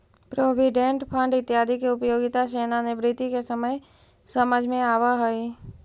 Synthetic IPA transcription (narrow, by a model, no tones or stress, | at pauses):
pɾoːʋiɖẽɳʈpʰə̃ɳɖɪt̪ːjaːd̪ʱikeʊpjoːɡɪt̪aʃeːnanebɾɪt̪ikesəməj | səməd͡ʒʱmẽaːʋaɦoi